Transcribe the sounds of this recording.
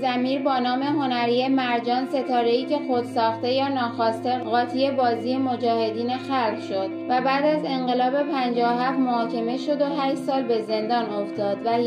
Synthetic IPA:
zæmiːɾbɒːnɒːme̞ɦo̞næɾije̞mæɾd͡ʒɒːnse̞t̪ʰɒːɾe̞iːcʰe̞xod̪̥sɒːxt̪e̞jɒːnɒːxɒːst̪e̞ɢɒːt̪ʰije̞bɒːziːjemo̞d͡ʒɒːhe̞d̪iːnexælʁʃo̞d̪̥væbæːd̪æze̞ɴɢe̞lɒːbe̞pʰænd͡ʒɒːoɦæft̪mohɒːcʰe̞me̞ʃo̞d̪o̞ɦæʃt̪sɒːlbe̞ze̞nd̪ɒːnoft̪ɒːd̪væ

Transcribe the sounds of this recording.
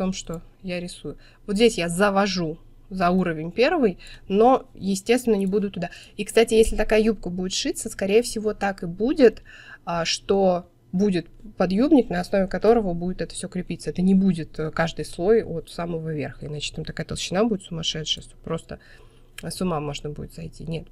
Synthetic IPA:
t̪o̞mʂt̪o̞jaɾʲɪsujʊ | vot̪zʲdʲesʲjazəvɐʐu | zɐuɾəvʲɪnʲpʲe̞rvɨjno̞jɪsʲtʲe̞st̪vʲɪnənʲɪbud̪ʊt̪ʊd̪aikst̪atʲɪjesʲlʲɪt̪ɐkajəjup̚kəbudʲɪt̪ʂɨt̪səskɐɾʲejəfsʲɪvo̞t̪akɨbudʲɪt̪əʂt̪o̞ | budʲɪt̪pɐd̪jubnʲɪknɐɐsno̞vʲɪkɐt̪o̞ɾəvəbudʲɪt̪ɛt̪ə̥fsʲo̞kɾʲɪpʲit̪səɛt̪ənʲɪbudʲɪt̪kaʐd̪ɨjslˠo̞jot̪saməvəvʲerxəɪnat͡ɕɪ̥t̪amt̪ɐkajət̪əlˠɕɪnabudɪt̪sʊmɐʂɛt̪ʂɨjəst̪o̥pɾo̞st̪ə | sʊmamo̞ʐnəbudʲɪt̪zɐjtʲḭnʲe̞t̪̚

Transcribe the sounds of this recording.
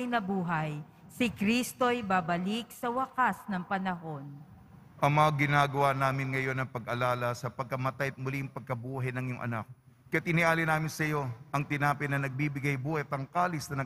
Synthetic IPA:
jnɐbuːɦɐj | sɪkɾist̪ojbabɐlik̚sɐwɐkasnɐŋpɐnɐɦo̞n | ʔɐŋmɐaɡɪnaːɡɐwanaːmɪnŋɐjo̞nɐŋpɐɡʔɐlaːlɐsɐpɐɡ̚kɐmɐt̪ajɐt̪̚mʊliɐŋpɐɡ̚kɐbuːɦɐjnɐŋjʊŋʔɐ̰nak̚ː | ɐjat̪ʔɪnɪʔaːlinaːmɪnsɐjo̞ʔɐŋt̪ɪnaːpɐnɐnɐɡ̚bibɪɡajbuːhɐjt̪ɐŋkaːlɪsnɐnɐ

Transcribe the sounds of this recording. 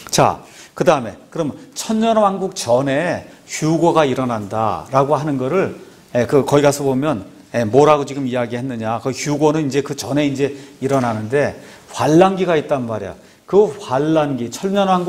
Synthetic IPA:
t͡ɕa̰kɯdaɯme̞kɯɾʌmnt͡ɕʰʌnɲʌnwanɡuk̚t͡ɕʌne̞çjuɡoɡaiɾʌnanda̰ɾaɡoɦanɯnɡʌɾɯɭ | jekɯkʌiɡasʰʌbomjʌn | jemoɾaɡot͡ɕiɡɯmijaɡiɦe̞nːɯɲakɯçjuɡonɯnind͡ʑe̞kɯt͡ɕʌne̞ind͡ʑe̞iɾʌnanɯnde̞ | ɸwaɭːanɡiɡait̚t͈anmaɾija̰ | kɯɸwaɭːanɡit͡ɕʰʌɲʌnwanɡu

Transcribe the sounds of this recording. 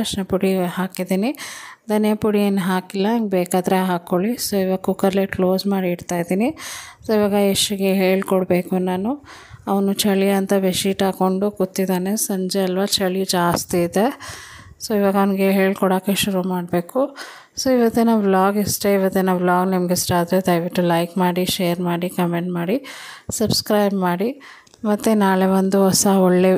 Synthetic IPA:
ɐʂnɐpuɽihaːkid̪iːnid̪ɐnjɐpuɽieːnːɦaːkilːɐŋɡebeːkaːd̪ɐɾeɦaːkoɭisoːiʋaɡɐkukɐɾleklo̞ːzmaːɽiːɽt̪aːjd̪iːnisoːiʋaːɡɐeʂuɡeɦeːɭkɔɽbeːkunaːnu | ɐʋɐnut͡ʃɐɭijɐnt̪ɐʋeʃiːʈaːko̞ɳɖuɡot̪ːid̪aːnesɐɲd͡ʒeɐlʋaːt͡ʃɐɭijud͡ʒaːst̪iːd̪e̞ | soːiʋaːɡɐʋɐnɡeɦeːɭkɔɽoːkeʃuɾumaːɽbe̞ːku | soːiʋɐt̪ːinɐblaːɡisʈeiʋɐt̪ːinɐblaːɡnɐmɡesʈaːd̪ɾed̪ɐjʋiʈːulɐjkmaːɽiʃejɐɾmaːɽikɐmeɳʈmaːɽisɐbskɾɐjbmaːɽi | mɐt̪ːenaːɭeʋɐnd̪uɦɔsɐɔɭːe

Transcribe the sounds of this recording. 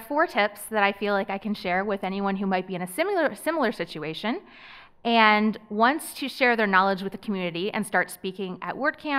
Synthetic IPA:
fɔɹtʰɪpsðɨɾaɪfilaɪkaɪkʰɨ̃nʃɛɹwɪðɛñiwʌ̃nɦumaɪt̚b̥iɨ̃ñɨsɪ̃ml̩ˠə˞sɪ̃ml̩ˠə˞sɪt͡ʃʉeɪʃɨ̃n | ʔɨ̃nwʌ̃nstʰɨʃɛɹðə˞nɑlˠəd͡ʒwɨðɨkʰmjʉnɨɾiɨ̰̃nstɑɹtspikɪ̃ŋɨ̰ʔ̚wɜ˞d̚kʰæ̃

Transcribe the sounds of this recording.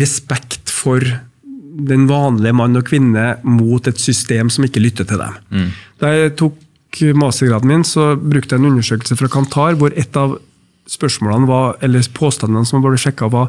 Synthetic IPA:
ɾɛspɛkt̪fɔɾ | d̪ɛnʋɑːnlɪəmɑnːɔkʰʋɪnːəmuːt̪ɛt̪sʏst̪eːmsɔmɪkːəlʏt̪ːət̪ʰɪld̪ɛ̰md̪̥ɑɾjæɪt̪ʰuːk | mɑːsəɡɾɑːd̪n̩mɪːnsɔbɾʉkt̪əæɪɛnʉnːəʂøːkəlsəfɾɑkʰɑnt̪ʰɑːɾʋʊɾɛt̪ːɑʋ | spœʂmoːlɑnəʋɑɾɛlːəɾpʰoːst̪ɑnɑnəsɔmbøːɾəʂɛkːɑʋɑɾ

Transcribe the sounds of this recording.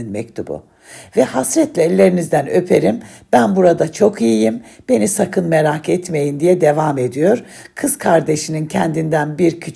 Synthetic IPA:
nmɛ̰ct̪ʰubʊ̰ | vɛhasɾɛt̪lʲɛːlʲːe̞ɾinizd̪ænø̞pʰe̞ɾimb̥ænbuɾad̪at͡ʃʰo̞kijijimb̥e̞nisakʰɯnme̞ɾakɛt̪me̞jind̪ijɛd̪e̞vaːme̞d̪ijo̞ɾ | kʰɯz̥kʰaɾd̪e̞ʃinincʰɛnd̪ind̪ænbiɾcʰy

